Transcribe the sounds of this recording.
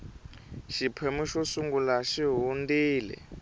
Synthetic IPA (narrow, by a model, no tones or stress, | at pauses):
ʃipʰemuʃɔsuŋɡulaʃiɦundiːlɛ̰